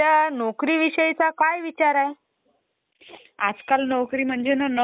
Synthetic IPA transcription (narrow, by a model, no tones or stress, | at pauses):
anɔkɾiːʋiɕəjt͡sakajʋit͡ɕaɾae | ad͡zkalnɔkɾiːm̤əɳd͡zenən